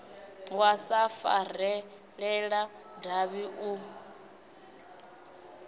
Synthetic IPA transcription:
wasafa̰ɾɛ | ɺɛɺa | daβiʔu

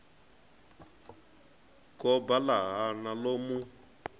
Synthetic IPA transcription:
kɔbalaɦanalomu

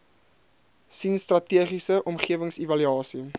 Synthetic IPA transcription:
sinstrɐtiəχisəʔɔmχiəvəŋsivɐlyɑːsi

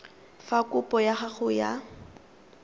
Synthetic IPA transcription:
fakʼʊpʼɔjaχaχʊja̰

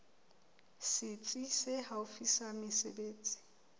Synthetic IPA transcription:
sɪt͡sʼisɪhaʊfisamɪsḛbeːt͡sʼi̥

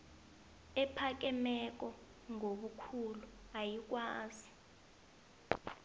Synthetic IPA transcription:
ɛpʰak̬ɛmɛk̬ɔ | ŋoɓukʰuluajik̬ʼwaːzi

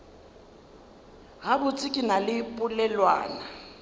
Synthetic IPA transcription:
ɣabʊt͡sʼɪkʼɪnalɪpʼʊlɛlwa̰ːna

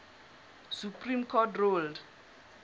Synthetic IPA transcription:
supʰrĩmkʰɔtrold

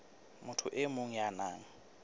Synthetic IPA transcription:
mʊtʰʊʔɪmoŋ̩janaːŋ̩

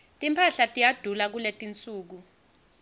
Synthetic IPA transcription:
tʼimpʰaɬatʼijad̥ʱulak̬uletʼint͡sʼuːk̬u

